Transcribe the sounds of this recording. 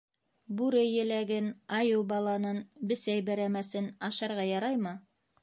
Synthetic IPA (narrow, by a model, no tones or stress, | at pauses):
bʉɾɘjɘ̆læɡɘnɑjɤwˠbɑlˠɑnɤnbɘ̆sæjbæɾæmæsɘnɑʃɑɾʁɑjɑɾɑjmɤ